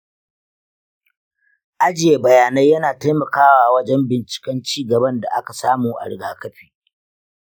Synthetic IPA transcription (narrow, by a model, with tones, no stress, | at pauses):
ʔa˦d͡ʒɪ˨je˨bɐ˨jaː˨na˦jɐ˦naː˨ta˦jmɐ˨kaː˦waː˨wɐ˦d͡ʒɛ˦mbɪ˨nt͡ʃɪ̥˨kʲɛ˦nt͡ʃiː˦˨ɡɐ˨bɐ˦nda̰˨ʔa˦ka˨saː˦muː˨ʔa̰˨ɽɪ˦ɡaː˦kɐ˦ɸiː˦